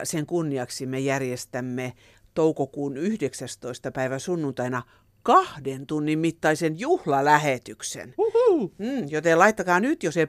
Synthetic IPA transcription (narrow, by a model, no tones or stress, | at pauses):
seŋkunːiɑksimejærjest̪æmːe | t̪oukokuːnyhdeksæst̪oist̪ɑpæiʋæsunːunt̪ɑinɑ | kɑhdent̪unːimmit̪ːɑisenjuhlɑlæhet̪yksḛnm̩ːjot̪elɑit̪ːɑkɑːnyt̪jose